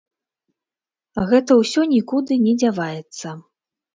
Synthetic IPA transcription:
ɣɛt̪ɐwsʲɔnʲikud̪ɨnʲɛd͡zʲavajɛt̪sːɐ

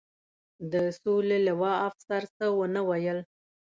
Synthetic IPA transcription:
d̪əsolelawɑafsaɾsəwənəwajəl

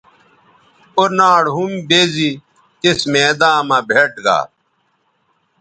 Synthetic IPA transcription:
oɾnaːɽɦumbeːzi | t̪esmeːd̪ãːmãbʱeʈɡa̰ː

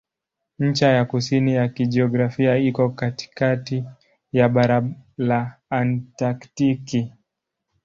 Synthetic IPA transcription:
ɲ̩t͡ʃajakusinijakiʄiɔɡɾafiaikɔkati̥kati | jaɓaɾalaːntaktiki

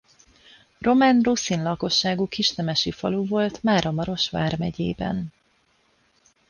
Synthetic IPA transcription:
ro̞manrusinlɒko̞ʃːaːɡukiʃt̪ɛmɛʃifɒluvo̞lt̪maːɾʔɒmɒɾo̞ʃʋa̰ːrmɛɟḛːbɛ̰n

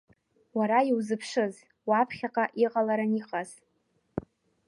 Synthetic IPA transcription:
waɾaiwzɨpʰʂɨz | wapʰχʲaqʼaʔiqʼalaɾaniqʼaz̥

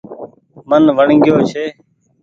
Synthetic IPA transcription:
mənʋəɳŋɡɪjoːt͡ʃʰeː

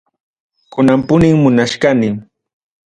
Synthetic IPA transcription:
kʊnampʊnɪŋmʊnaʃkanɪm

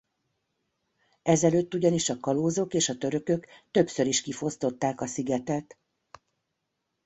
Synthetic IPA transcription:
ɛzɛløːt̪ːuɟɒniʃɒkɒloːzo̞keːʃɒt̪øɾø̞kø̞kt̪ø̞psø̞ɾiʃkifo̞st̪o̞t̪ːaːkɒsiɡɛt̪ɛt̪

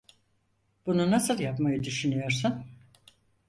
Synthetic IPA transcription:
b̥ununasɯlˠjapmajɯd̪yʃynyjo̞ɾsun

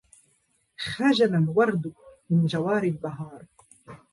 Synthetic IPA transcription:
xad͡ʒanalwɑɾˤd̪mɪnd͡ʒawɑːɾlb̪ɑɦɑːɾˤ

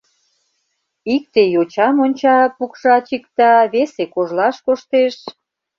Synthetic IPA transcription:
ik̚t̪ejot͡ɕɑmonʲt͡ɕɑpukʃɑt͡ɕikt̪ɑβesekoʒlɑʃkoʃt̪eʃ

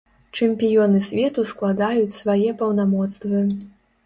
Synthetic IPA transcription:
t͡ʂɛmʲpʲijɔnɨsʲvʲɛt̪usklˠad̪ajut͡sʲsvajɛpɐwnamɔt̪st̪vɨ

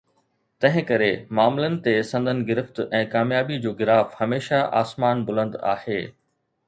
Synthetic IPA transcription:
t̪ɐ̃ɦɪ̃kɐɾemaːmlənɪ̆t̪esɐ̃nd̪ʱənɪ̆ɡɪɾɪft̪ɛ̃ːkaːmjaːbid͡ʑoːɡɪɾaːfhɐmeːʃaʔa̰ːsmaːnbʊlə̃nd̪a̰ːheː

